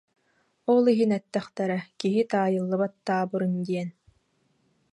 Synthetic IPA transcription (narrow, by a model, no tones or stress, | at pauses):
ɔlˠiɦinɛt̪ːɛχt̪ɛɾɛkiɦit̪aːjɯlˠːɯbat̪ːaːbɯɾɯnd̪iɛn